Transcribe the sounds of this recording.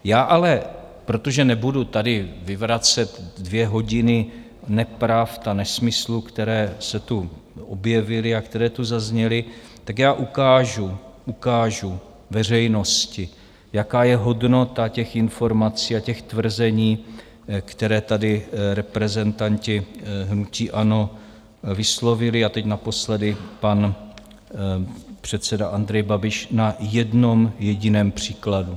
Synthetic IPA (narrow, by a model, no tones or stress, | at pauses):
jaːʔalɛ | pɾo̞t̪o̞ʒɛnɛbudut̪adɪvɪvɾat͡sɛt̪dvjɛɦo̞ɟɪnɪ | nɛpɾaft̪anɛsmɪslukt̪ɛɾɛːsɛt̪uʔobjɛvɪlɪakt̪ɛɾɛːt̪uzazɲɛlɪt̪akjaːʔukaːʒuʔukaːʒu | vɛr̝ɛjno̞scɪ | jakaːjɛɦo̞dno̞t̪acɛxɪnfo̞ɾmat͡siːacɛxt̪vr̩zɛɲiː | kt̪ɛɾɛːt̪adɪɾɛpɾɛzɛnt̪ancɪɦnuciːʔano̞ | vɪslo̞vɪlɪat̪ɛcnapo̞slɛdɪpan | pr̝̥ɛt̪t͡sɛdaʔand̪ɾɛjbabɪʃnajɛdno̞mjɛɟɪnɛːmpr̝̥iːkladu